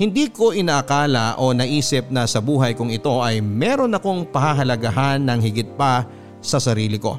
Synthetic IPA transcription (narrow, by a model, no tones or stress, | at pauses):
hɪnd̪iːko̞ʔɪnɐʔɐkaːlɐʔo̞nɐʔiːsɪp̚nɐsɐbuːɦɐjkʊŋɪt̪o̞ʔɐjmɛːɾo̞nɐko̞ŋpɐhaɦɐlɐɡɐɦanːɐŋhɪɡɪt̪̚pɐ | sɐsɐɾiːlɪko̞̰